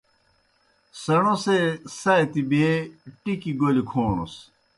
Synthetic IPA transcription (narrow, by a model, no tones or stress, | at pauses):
sɐɳ̃osesɐjt̪ibeʈikiɡolikʰoːno̰s